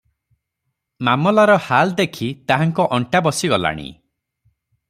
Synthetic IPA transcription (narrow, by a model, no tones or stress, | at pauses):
mamɔlaɾɔhald̪ekʰit̪aɦaŋkɔʔɔɳʈabɔsiɡɔla̰ɽ̃ḭ